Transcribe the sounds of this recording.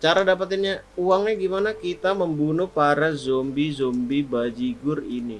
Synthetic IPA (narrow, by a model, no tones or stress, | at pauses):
t͡ʃaɾadap̬at̪ɪnɲauwaŋɲaɡimanakit̪aməmbunʊpaɾazɔmbizombibad͡ʒiɡʊrini